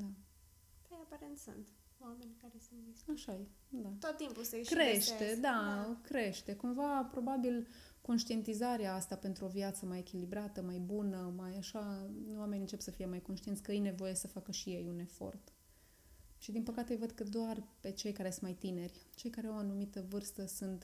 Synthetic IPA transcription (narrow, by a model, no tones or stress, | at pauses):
d̪a | p̪ajeapaɾent̪sṵnt̪ | wamenʲkaɾesunt̪viaʃaje | d̪at̪ot̪ːimppusekɾeʃt̪e̞d̪akɾe̞ʃt̪e̞kumvapɾo̞babil | ko̞nʃt̪ie̞nt̪izaɾeaast̪ape̞nt̪ɾuo̞viat̪səmaje̞kʲilibɾat̪əmajbunəmajaʃawame̞nʲɨnt͡ʃe̞psəfije̞majko̞nʃt̪ient̪sʲkəɨjne̞vo̞je̞səfakəʃije̞june̞fo̞̰rt̪ | ʃid̪inpəkat̪ejvəd̪kəd̪oarpe̞t͡ʃe̞jkaɾe̞sunmajt̪ine̞rʲt͡ʃe̞jkaɾeawanumit̪əvɨrst̪əsunt̪